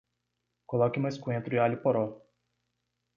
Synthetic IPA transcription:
kolɔkɪũmɐskũẽnt̪ɾʊialʊpoɾɔ

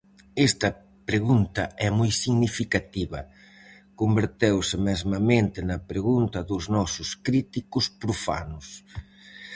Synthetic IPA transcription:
ɛst̪ɐ | pɾeɣunt̪ɐɛmujsiɣnifikat̪iβɐ | kombeɾt̪ewsɪmɛzmɐmẽnt̪ɪnɐpɾeɣunt̪ɐðʊznɔsʊskɾit̪ikʊspɾufa̰nʊs

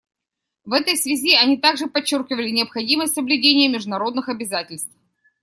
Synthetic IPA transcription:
vɛt̪əjsvʲɪzʲiɐnʲit̪aɡʐɨpɐt͡ɕːorkʲɪvəlʲɪnʲɪəpxɐdʲiməsʲtʲsəblʲʉdʲenʲɪjəmʲɪʐd̪ʊnɐɾo̞d̪nɨxɐbʲɪzatʲɪlʲst̪f

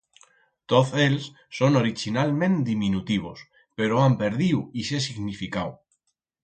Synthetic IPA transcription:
t̪oθelsːonoɾit͡ʃinalmẽ̞nd̪imĩnut̪iβ̞os | pe̞ɾoampe̞ɾðiwisesiɣnifikaw

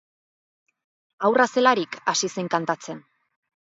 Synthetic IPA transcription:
awrase̞laɾikasise̞ŋkant̪at͡se̞n

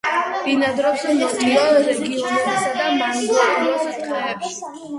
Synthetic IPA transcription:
d̪̥inad̪ɾɔbzɛmɔniaɾɛɡiɔnɛbisad̪amanɡɔɾnɔsit̪χɛɾɛpʃi̥

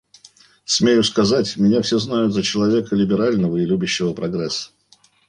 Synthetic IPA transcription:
smʲejʊskɐzatʲmʲɪnʲafsʲeznajʊt̪zət͡ɕɪlˠɐvʲe̞kəlʲɪbʲɪɾalʲnəvəɪlʲubʲɪɕːɪvəpɾɐɡɾɛsːə̥

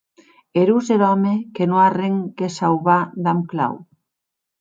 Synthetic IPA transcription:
eɾuzeɾɔmekenõareŋkesawβaðamkla̰w

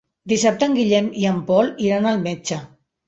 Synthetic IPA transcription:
d̪isap̚t̪əŋɡiʎɛmiəmpɔliɾanəlˠmet͡ʃə

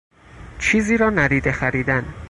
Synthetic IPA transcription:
t͡ʃʰiːziːɾɒːnæɾiːd̪exæɾiːd̪æn

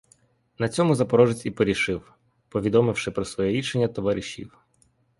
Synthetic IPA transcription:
nɐt͡sʲɔmʊzɐpɔɾɔʒet͡sʲipɔɾʲiʃɪw | pɔʋʲid̪ɔmɪwʃɪpɾɔsʋɔjɛɾʲiʃenʲːɐt̪ɔʋaɾʲiʃʲḭw

